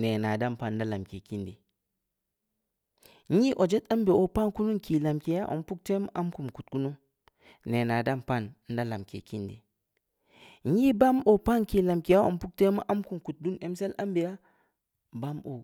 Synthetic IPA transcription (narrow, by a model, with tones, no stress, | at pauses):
ne˨na˨da˦˨mpa˦˨n˨˦da˦la˨mke˨ki˦ndḭ˨ | ɲi˦ʔo˨d͡ʒe˦ta˦mbe˨o˦pa˦nku˦nu˦ki˨la˨mke˨ja˦ʔo̰˨mpu˦k̚te˦ma˦ʔa˦mku˨mku˨t̚ku˦nu˦ŋ | ne˨na˨da˦mpa˦˨n˦n̩˦da˦la˨mkḛ˨ki˦ndḭ˨˦ | ɲi˦ba˦mo˨pa˦nki˨la˨mki˨ja˦o̰˨mpu˦k̚te˦ma̰˦ʔa˦mku˨mku˨t̚du˦ne˨mse˦la˦mbe˨ja˦ | ba˦mo̰˨